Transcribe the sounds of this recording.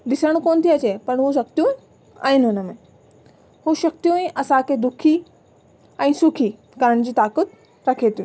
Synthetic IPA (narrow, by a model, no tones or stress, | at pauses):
d̪ɪsəɽ̃koːnt̪ʰiɐt͡ɕepɐɳɦoʃɐkt̪jũ | a̰ːɦɪnɦʊnəmẽ | hoʃɐk̚t̪jũẽʔɐsãkʰed̪ʊkʰi | ɛ̃ːsʊkʰi | kəɾəɽ̃d͡ʑiːt̪aːkət̪̚ | ɾɐkʰet̪jũ